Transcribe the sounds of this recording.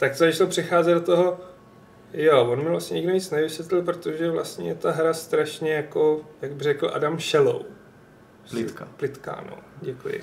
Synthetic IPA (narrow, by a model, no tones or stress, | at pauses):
t̪ak̚t̪ozat͡ʃt̪olpr̝̥ɪxaːzɛd̪dot̪oɦo̞ | jovonmɪvlast̪ɲɛɲɪɡdoviːt͡snɛvɪsvɛt̪lɪlpɾot̪o̞ʒɛvla̰st̪ɲɛ̰t̪aɦɾast̪ɾaʃɲɛjako̞jaɡ̚bɪrɛkl̩ʔa̰damʃɛlo̰w | plɪt̪ka̰no̰ɟɛkujɪ̰